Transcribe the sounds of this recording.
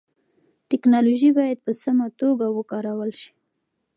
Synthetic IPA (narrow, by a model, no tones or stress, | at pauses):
ʈɪknɑloʒibɑjad̪̚pəsamat̪oɡawəkɑɾawəlʃi̥